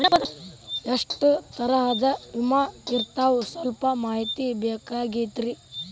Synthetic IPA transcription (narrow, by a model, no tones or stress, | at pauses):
ɐɐʂʈut̪ɐɾɐɦɐd̪ɐimaiɾt̪aːʋusɐlpɐmaːɦit̪ibeːkaːɡit̪ɾi